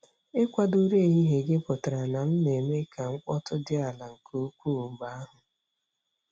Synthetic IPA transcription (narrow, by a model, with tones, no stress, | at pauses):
ɪ˦kʷa˦du˦ɾe˦˨ɦi˦ɦe˨ɡɪ˦pʊ˨ta˨ɾa˨na˨m̩˦ne˨me˦kʰa˨ŋ̩˦kʷɔ˦tʊ˦dɪ˦a˨la˨ŋ̩˨ku˦kʷu˦˨ɡ͡ba˦a˦ɦʊ˨